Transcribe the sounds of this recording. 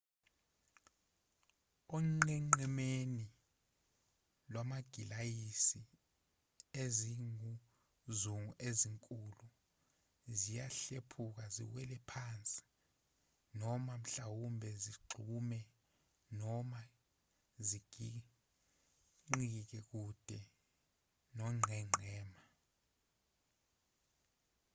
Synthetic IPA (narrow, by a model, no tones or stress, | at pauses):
ɔŋ͡ǃɛŋ͡ǃɛmeni | lwamaɡ̥ʱilajisi | eziŋu | zuŋuʔeziŋkʼulu | zijaɬepʰuk̬azḭwɛlɛpʰant͡sʼi̥ | nɔmam̩ɬawumbʱɛziɡ͡ǀʱumɛ | nɔma | ziɡ̥ʱi | ŋ͡ǀik̬ɛk̬ud̥ʱɛ | nɔŋ͡ǀʱɛŋ͡ǀʱɛːma